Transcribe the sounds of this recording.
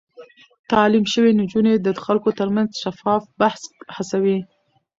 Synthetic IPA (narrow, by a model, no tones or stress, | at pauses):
t̪ɑlimʃəwend͡ʒuned̪əxalkot̪əɾmanzʃafɑfbahshasawi